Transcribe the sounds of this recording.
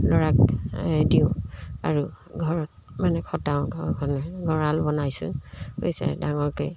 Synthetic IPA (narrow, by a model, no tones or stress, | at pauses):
lɔɹak̚diʊa̰ɹuɡʱɔɹɔt̚ | manɛkʰɔtaʊ̃ɡɔnɔɡʱɔɹalbɔnajsʊ̰̃ho̰jsɛ̰daŋɔɹkoj